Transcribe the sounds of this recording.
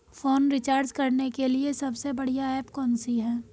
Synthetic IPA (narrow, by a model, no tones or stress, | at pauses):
foːnɾɪt͡ʃaːɾd͡ʒkɐɾnekeliesɐbsebɐɽ̤ijaɛːpkɔːnsiɦɛː